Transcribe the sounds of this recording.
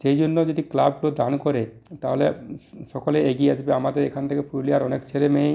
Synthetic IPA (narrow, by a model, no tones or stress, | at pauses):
d͡ʑejd͡ʑonːod͡ʑod̪iklab̚klod̪ankɔɾet̪aɦoleʃɔkoleeɡiad͡ʑbeamad̪eɾekʰant̪ʰekepuɾliaɾɔnekt͡ɕʰelemej